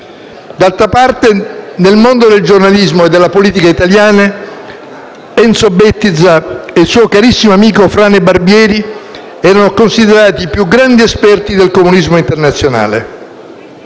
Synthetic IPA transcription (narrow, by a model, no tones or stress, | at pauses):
d̪alt̪ɾapart̪enelmond̪od̪eld͡ʒornalizmoed̪ːelːapoliːt̪ikait̪aljaːna | ɛnt̪sobɛt̪ːid̪zaelsuːokaɾisːimoamiːkofɾaːnebarbjɛːɾi | ɛːɾanokonsid̪eɾaːt̪iːpjuɡɾand̪iespɛrt̪id̪elkomunizmoint̪ernat̪sːjona̰ːlḛ